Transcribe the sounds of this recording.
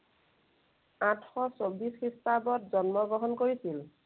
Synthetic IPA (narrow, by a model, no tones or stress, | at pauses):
atʰxɔsobisxɹistabɔtzɔnmɔɡɔɦɔnkoɹisil